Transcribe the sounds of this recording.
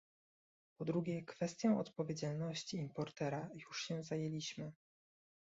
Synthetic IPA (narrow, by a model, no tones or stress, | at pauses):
pɔd̪ɾuɡʲɛkfɛst̪ʲjɔ̃w̃ɔt̪pɔvʲjed͡ʑalnɔɕt͡ɕiːmpɔɾt̪ɛɾajuʂɕɛ̃zajelʲiɕmɘ